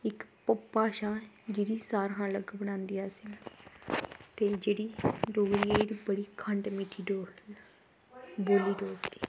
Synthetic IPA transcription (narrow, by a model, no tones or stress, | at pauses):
ɪkpəpːaːʃaː | d͡ʒɪɽiːsaːɾɦãːləɡbəɽ̃ãːnd̪iaːsɪn | t̪eːd͡ʒeːɽiːɖoːɡliaːeɾiːbəɽiːkʰəɳʈmiːʈʰiːɖoː | boːliːɖoːɾt̪i̥ː